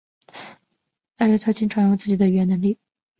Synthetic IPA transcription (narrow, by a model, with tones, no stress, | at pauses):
a˥˧ɻə˥t̪ʰɤ˥t͡ɕʰi˥ŋʈ͡ʂʰwa˧˥˦jʊ˥˧ŋt͡sɹ̩˥˩t͡ɕi˨˩d̪ə˦y˨˩ɥnə˧˥ŋli˥˩